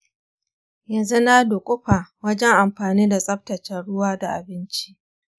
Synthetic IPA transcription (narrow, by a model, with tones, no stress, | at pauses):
jɐ˨nzu˦na˦doː˨kʷʼʊ˦ɸaː˨wɐ˦d͡ʒɛ˦ŋʔa˨mɸaː˨niː˦da˨sʼɐ˦ɸ̚tɐ˨t͡ʃɛ˨nɽʊ˦waː˦da˨ʔa̰˨bɪ˦nt͡ʃi˦ʔ